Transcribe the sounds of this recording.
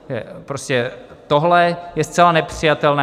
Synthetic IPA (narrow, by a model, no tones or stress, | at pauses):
ʒɛ̰pɾoscɛt̪oɦlɛjɛst̪t͡sɛlanɛpr̝̥ijat̪ɛlnɛː